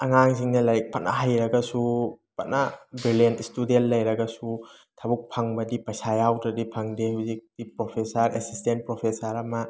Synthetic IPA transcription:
ɐŋaŋsiŋnɐlɐɾik̚pʰɐt̚nʔɐ̰ɦajɾɐɡɐsu | pɐt̚nabɾilenistudentlɐjɾɐɡɐsu | tʰabuk̚pʰaŋbɐdipɐjsajawdɾɐdipʰaŋdehuzik̚d̥ipɾopʰesɐɾesistent̚pɾopʰesaɾɐmɐ

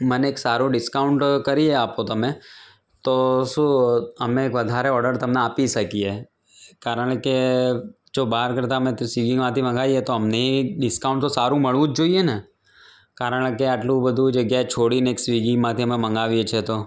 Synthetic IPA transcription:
məneeːksaɾũɖɪskaʊɳʈkəɾieapot̪əmẽ | t̪oʃũəmẽːkʋəd̪ʱaɾeɔɾɖəɾt̪əmneapiʃəkie | kaɾəɽ̃ke | d͡ʒobaɦaɾkəɾt̪aəmẽt̪siɡiŋmãt̪ʰimə̃ŋɡaʋiet̪oəmneɖɪskaũɳʈt̪osaɾũməɭʋũd͡ʒd͡ʒoijene | kaɾəɽ̃keaʈlũbəd̪ʱũd͡ʒəɡjaet͡ʃʰoɽineksʋiɡimãt̪ʰiəmemə̃ŋɡaʋijet͡ʃʰet̪o

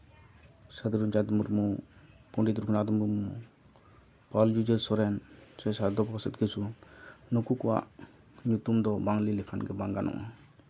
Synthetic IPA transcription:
sad̪ɾund͡ʒad̪ɔmuɾmupɔɳɖit̪̬uɾkʰunad̪ɔmuɾmu | pald͡ʒud͡ʒəɾsɔɾɛnsɛsad̪ɔpɔsɛt̪ɡesunukukɔwa̰ʔ | ɲut̪umd̪ɔbaŋlilɛkʰanɡɛbaŋɡanɔ̰ʔa

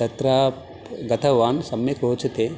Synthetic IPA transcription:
tɐt̪ɾaː | ɡɐt̪ʰɐʋaːnsɐmjɐkɾoːt͡ʃɐt̪eː

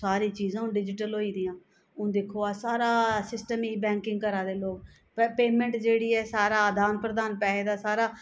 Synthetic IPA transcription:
saːɾiːt͡ʃiːzãːɖɪd͡ʒɪʈəlɦoːiːd̪iːjãː | ʊ̃ːd̪ɪkʰoːaːsaːɾaːsɪsʈəmiːbɛ̃ːŋkɪŋɡ̚kəɾaːd̪eːloːk | peːmɛ̃ɳʈd͡ʒeːɽiːɛːsaːɾaːd̪aːnpɾəd̪aːnpɛːeːd̪aːsaːɾaː

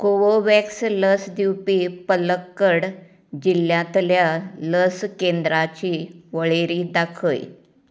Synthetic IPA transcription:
koʋoʋeksləsd̪iwpiːpələkːəɽ | d͡ʑilːjãt̪ljaləskend̪ɾat͡ɕiːʋəɭeɾiːd̪akʰə̰j

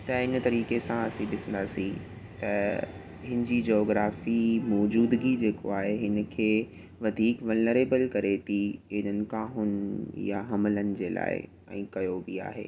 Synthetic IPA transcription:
t̪ɐɪnt̪ɐɾiːkesãɐsĩɗɪsə̃nd̪aːsĩ | t̪ɐ | ɦɪnɪ̆d͡ʑid͡ʑoːɡɾaːfimɔːd͡ʑuːd̪ɡid͡ʑeːko̰aːɦeɦɪnə̆kʰeː | ʋɐd̪ʱiːkʋɐlnəɾeːbəlkɐɾet̪ʰiɦɪnənɪ̆kãːɦʊnja̰ɦɐmɪlənɪ̆d͡ʑeːla̰ːɪ̰ | ɛ̰̃ːkɐjobia̰ːɦḛː

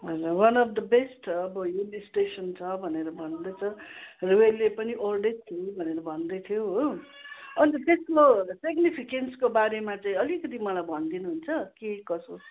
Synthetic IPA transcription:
ɦʌd͡zʌwʌnʌpd̪ʌbesʈʌbʌjulisʈesʌnt͡sʰʌbʱʌneɾʌbʱʌnd̪ʌjt͡sʰʌruwelepʌniʔorɖett̪ʰibʱʌneɾʌbʱʌnd̪ʌjt̪ʰijoɦo | ʌnt̪ʌt̪eskosiɡnipʰikenskobaɾemat͡saĩʌlikʌt̪̬imʌlajbʱʌnd̪inuɦunt͡sʰʌkekʌso

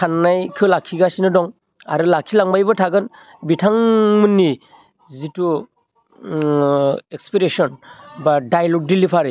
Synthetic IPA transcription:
kʰanːajkʰɯlakʰːiɡasinɯdɔŋ | a̰ɾɯlakʰilaŋbajbɯtʰaɡɯn | bitʰaŋmɯnːi | zitu | ekspiɾesɔnbadajlɔɡ̚dilipʰaɾɯ

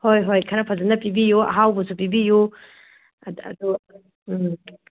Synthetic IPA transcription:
hojɦojkʰaɾɐpʰɐzɐnɐpibijoɐ̰ɦawbosʰupibijo | ɐ̰d̪u

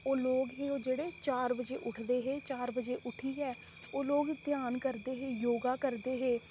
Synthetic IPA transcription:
oːloːɡɦiːoːd͡ʒeːɽeːt͡ʃaːɾbəd͡ʒeːʔʊʈʰd̪eːɦeːt͡ʃaːɾbəd͡ʒeːʔʊʈʰiːɛː | oːloːɡd̪jaːnkəɾd̪eːɦeːjoːɡaːkəɾd̪eːɦeː

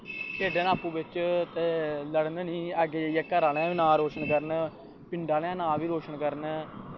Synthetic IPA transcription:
keːɖẽːnaːpũːbɪt͡ʃt̪eːləɽnnĩːəɡeːd͡ʒeijɛːkəɾaːlãːʋiːnãːɾoːʃənkəɾən | pɪɳɖaːlãːnãːʋiːɾoːʃənkəɾən

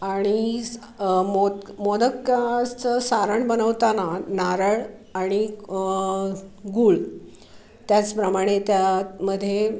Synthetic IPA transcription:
aɽ̃i | momod̪əkːat͡səsaɾəɳbənəʋt̪ananaɾəɭ | aɽ̃i | ɡuːɭ | t̪jat͡spɾəmaɽ̃et̪jaməd̪ʱːje

